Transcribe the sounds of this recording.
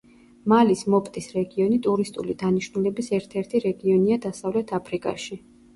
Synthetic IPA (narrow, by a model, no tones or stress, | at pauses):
malismɔpʼt̪ʼisɾɛɡiɔnit̪ʼuɾist̪ʼulid̪aniʃnulɛbisɛɾt̪ʰɛɾt̪ʰiɾɛɡiɔniad̪asavlɛt̪ʰapʰɾikʼa̰ʃi